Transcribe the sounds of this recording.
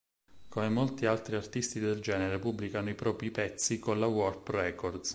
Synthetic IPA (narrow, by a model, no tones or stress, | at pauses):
komemolt̪ialt̪ɾiart̪ist̪id̪eld͡ʒɛːneɾepubːlikanoipɾɔːpɾipɛt̪sːikonlawɔrprɛkord̪s